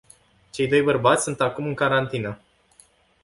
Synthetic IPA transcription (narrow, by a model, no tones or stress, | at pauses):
t͡ʃe̞jd̪o̞jbərbat̪sʲsunt̪akumɨŋkaɾant̪inə